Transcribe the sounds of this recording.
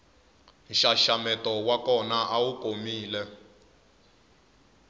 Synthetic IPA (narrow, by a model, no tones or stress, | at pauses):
nʃaʃamɛtɔwakɔnaʔawukomiːlɛ